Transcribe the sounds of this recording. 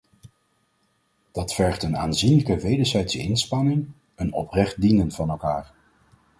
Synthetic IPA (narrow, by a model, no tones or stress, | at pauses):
d̥ɑtfɛɹχtənaːnzinləkəʋejdəɹzɛjtsəɪ̰nspɑnɪŋ | ənɔ̰prɛχt̚dinənv̥ɑnɛlˠkaːɹ